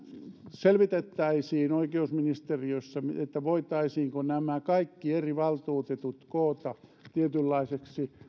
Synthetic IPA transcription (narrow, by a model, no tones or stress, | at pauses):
selʋit̪et̪ːæisiːnoikeusminist̪eriøsːæmet̪ːæʋoit̪ɑisiːŋkonæmækɑikːieriʋɑlt̪uːt̪et̪ut̪koːt̪ɑt̪iet̪ylːɑiseksi